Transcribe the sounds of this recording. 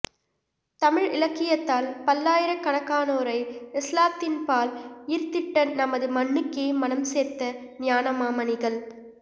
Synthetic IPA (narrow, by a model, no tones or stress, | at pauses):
t̪ɐmɪɻɪlɐkːɪjɐt̪ːaːlpɐlːaːjɪɾɐkɐɳɐkːaːnoːɾɐɪɪslaːt̪ːɪnpaːlɪɾt̪ːɪʈːɐnɐmɐðɯmɐɳːɯkːeːmɐnɐmseːt̪ːɐ | nɪjaːnɐmaːmɐnɪɣɐɭ